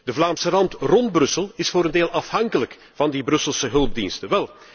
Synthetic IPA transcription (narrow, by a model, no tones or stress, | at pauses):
d̥əvlaːmsərɑntrɔnd̚brɵsəlˠɪsfoːɾəndeːlˠɑfhɑŋkələk | v̥ɑndibrɵsəlˠsəɦɵlˠb̚dḭnstəʋɛlˠ